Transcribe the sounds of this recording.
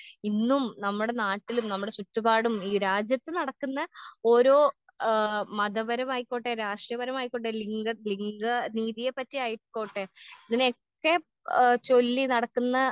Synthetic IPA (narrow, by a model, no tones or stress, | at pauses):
inːumnɐmːuɽe̞naːʈːilumnɐmːuɽe̞t͡ɕutːɐbaːɽumiːɾaːd͡ʑjɐt̪ːɨnɐɽɐkːunːɐo̞ːɾo̞ː | mɐðɐʋɐɾɐmaːjikʲːoːʈːeɾaːʂjɐʋɐɾɐmaːjikʲːoʈːeliŋɡɐliŋɡɐniːðijepːɐtːiaɐjiʈːko̞ːʈːeiðinokːe̞ | t͡ɕo̞lːinɐɽɐkːunːɐ